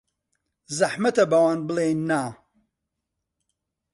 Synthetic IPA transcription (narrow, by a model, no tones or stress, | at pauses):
zɐħmɐt̪ɐbɐwaːnbɨlˠejnːaː